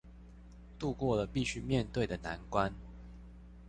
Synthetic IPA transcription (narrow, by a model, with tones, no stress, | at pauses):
t̪u˥˧kwɔ˥˩lə˩pi˥˨ɕy˥mjɛ˥˨nt̪we˥˩ɪd̪ə˩na˧˦nkwa˦n